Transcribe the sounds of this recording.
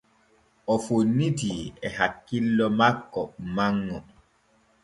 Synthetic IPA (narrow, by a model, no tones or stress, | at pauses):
ʔɔfonːitiɛɦakːilːɔmakːɔmaŋːɔ